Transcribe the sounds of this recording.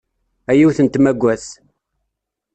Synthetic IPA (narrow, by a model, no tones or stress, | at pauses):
æjiwθənt̪mæɡʷːæθ